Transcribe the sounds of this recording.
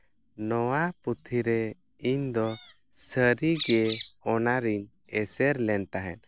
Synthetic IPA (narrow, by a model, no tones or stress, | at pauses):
nɔwaput̪ʰiɾɛ | iɲd̪ɔ | səɾiɡɛɔnaɾiɲ | ɛsɛɾlɛnt̪aɦɛ̰n